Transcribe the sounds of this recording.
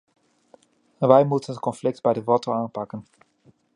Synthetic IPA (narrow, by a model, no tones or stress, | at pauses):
ʋɛjmutənɦət̚kɔnflɪk̚tbɛjdəvɔtəwaːnpɑkən